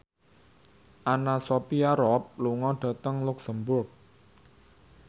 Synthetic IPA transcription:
ʔanasopiaɾɔp̚luŋɔɖ̥ä̤t̪əŋluksəmbʊrk̚

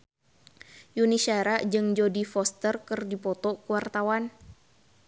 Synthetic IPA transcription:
junisaɾaʔd͡ʒɨŋd͡ʒodifɔst̪ərkɨrdipɔt̪ɔkuwart̪awan

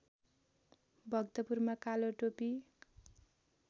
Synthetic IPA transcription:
bʱʌɡt̪ʌpurmakaloʈopi

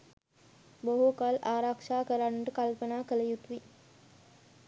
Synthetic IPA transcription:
boɦukalaːɾakʂaːkəɾanːəʈəkalpənaːkələjut̪ʋi

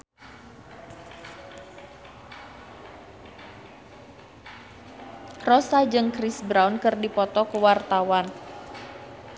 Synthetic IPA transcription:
rɔsad͡ʒɨŋkrisbɾawnkɨrdipɔt̪ɔkəwart̪awan

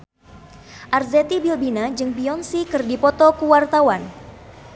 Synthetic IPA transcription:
ʔarzɛt̪ibilbinad͡ʒɨŋpiɔnsikɨrdipɔt̪ɔkuwart̪awan

